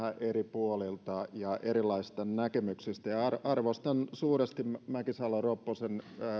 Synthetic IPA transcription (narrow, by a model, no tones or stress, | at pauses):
ɑʔeripuolilt̪ɑjɑʔeɾilːˑɑisst̪ɑnækemyksist̪æjɑɑrɑrʋost̪ɑnsuːrest̪immmækisɑlːɑropːosenː